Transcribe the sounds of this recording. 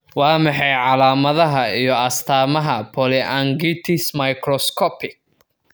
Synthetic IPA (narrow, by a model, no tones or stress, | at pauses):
wɑːmɑħɑjʕɑlaːmɐðɐɦɐijɔɐst̪ʰaːmɐɦɐpʰɔlɪʔɐŋɡit̪ʰɪsmɐjkʰrɔskʰɔpʰɪk̚